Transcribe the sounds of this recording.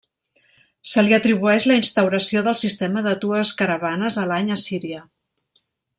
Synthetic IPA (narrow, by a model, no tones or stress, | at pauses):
səliət̪ɾiβ̞uɛʃləinst̪əwɾəsioðəlˠsist̪eməðət̪uəskəɾəβanəzəlaɲəsiɾiə